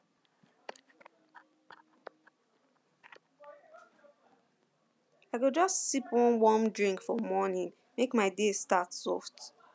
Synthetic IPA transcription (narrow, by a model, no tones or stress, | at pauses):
aɪɡod͡ʒʌstsipwɔ̃nwɔmdɹĩŋkfɔmɔnĩn | mekmaɪdestatsɔft